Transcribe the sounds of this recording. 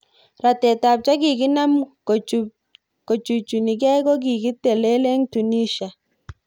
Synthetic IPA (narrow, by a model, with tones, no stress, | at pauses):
ɾa˨tɛ˨ta˨p̚t͡ʃa˦ki˨ki˦na˦mku | ko˨t͡ʃu˨t͡ʃu˨ni˨kɛ˦kɔ˦ɡ̬i˨ki˦te˨le˦le˦ŋtu˨ni˦ʃa˨